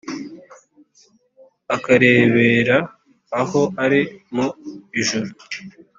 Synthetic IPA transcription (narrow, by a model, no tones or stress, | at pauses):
akaɾe̞ːβeːɾaː | ho̞ʔaɾimoiʒuɾu